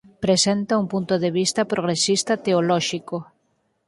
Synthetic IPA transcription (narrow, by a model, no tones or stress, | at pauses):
pɾesent̪ɐuŋpunt̪oðeβ̞ist̪ɐpɾoɣ̞ɾesist̪ɐt̪eolɔʃiko